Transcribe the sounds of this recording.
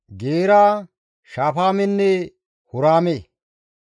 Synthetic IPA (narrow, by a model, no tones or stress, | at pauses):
ɡeːɾaː | ʃaːfaːmɛnːɛ | hʊɾaːme